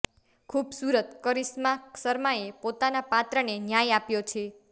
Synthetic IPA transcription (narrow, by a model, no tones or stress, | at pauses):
kʰubsuɾət̪kəɾismaksəɾmaepot̪anapat̪ɾənenjajapjot͡ʃʰe